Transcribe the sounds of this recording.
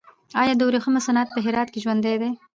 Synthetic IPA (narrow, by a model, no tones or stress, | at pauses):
ɑjɑd̪əwɾexəmasanat̪̚pəɦɪɾɑt̪̚keʒwand̪ajd̪e